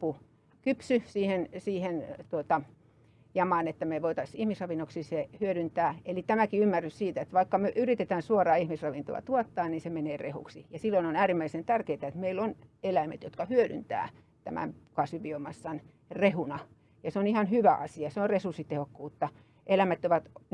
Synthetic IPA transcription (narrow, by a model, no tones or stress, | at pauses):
pːu | kypsysiːhensiːhent̪uot̪ɑ | jɑmɑˑnet̪ːæmeʋoit̪ɑsihmisrɑʋinːoksisehyøɾynt̪æːelit̪æmækiymːærːyssiːt̪æet̪ʋɑikːɑmøʔyrit̪et̪æːnsuorɑːihmisrɑʋint̪o̰ɑ̰t̪uɑt̪ːɑːnninsemeneːrehṵksijɑsilːoinonæːrimːæisent̪ærkeit̪æet̪meilonelæmḛt̪jot̪kɑhyøɾy̰nt̪æ̰ː | t̪æ̰mæ̰mpkɑsyʋiomɑsːɑn | rehunɑ | jɑseonihɑnhyʋæʔɑsiɑseonrresursit̪ehokːuːt̪ːɑ | ʔelæmæt̪ːoʋɑt̪